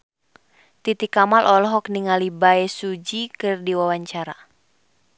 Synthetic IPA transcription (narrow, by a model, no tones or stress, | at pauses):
t̪it̪ikamalʔɔlɔɦɔkniŋalibaɛsud͡ʒikɨrdiwawaɲt͡ʃaɾa